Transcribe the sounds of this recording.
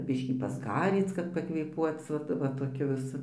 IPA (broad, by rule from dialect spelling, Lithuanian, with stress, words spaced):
ˈbʲɪʃʲkʲiː pɐzˈɡɑːrʲiːt͡s kɐt pɐkʋʲeːˈpuɔt͡s ˈʋɐt ʋɐ toːˈkʲʊ ʋʲɪˈsʊ